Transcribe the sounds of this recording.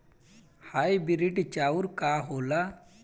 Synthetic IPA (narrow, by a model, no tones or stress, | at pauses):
hajbiɾiʈit͡ʃaːuɾkaːɦoːla